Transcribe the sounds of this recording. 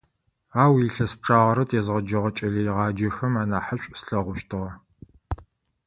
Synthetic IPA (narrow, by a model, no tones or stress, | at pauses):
aːwiɬɐsp̚ʈ͡ʂʰʼaːʁɐɾɐtʰezʁɐd͡ʒɐʁɐt͡ʃʼɐɮijɪʁɑːd͡ʒɐxɐmaːnaːħəɕʷʼsɬɐʁʷʊʃtʰɨʁɐ